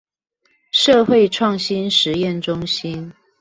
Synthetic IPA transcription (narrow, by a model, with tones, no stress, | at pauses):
ʂɤ˥˧xwe˥˧ɪʈ͡ʂʰwɑ˥˨ŋɕi˦nʂɻ̩˨˦jɛ˥˨nʈ͡ʂʊ˦ŋɕi˦˥n